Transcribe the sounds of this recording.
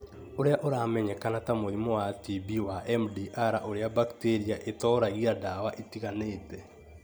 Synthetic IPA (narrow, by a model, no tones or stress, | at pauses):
oɾeaʔoɾaːmɛɲɛkanatamoðimɔwatibiwaʔɛmdiʔaɾaʔoɾeabakteɾiaʔetɔːɾaɣiadawaʔitiɣaneːtɛ